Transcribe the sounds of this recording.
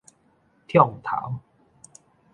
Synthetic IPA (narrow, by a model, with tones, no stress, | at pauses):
t̪ʰjɔ˥˨ŋt̪ʰa̰˨˩˦w